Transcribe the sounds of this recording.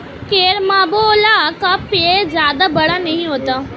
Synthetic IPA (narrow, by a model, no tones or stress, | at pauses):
keːɾmaːboːlakapezjaːd̪abɐɽanɐɦĩɦoːt̪aː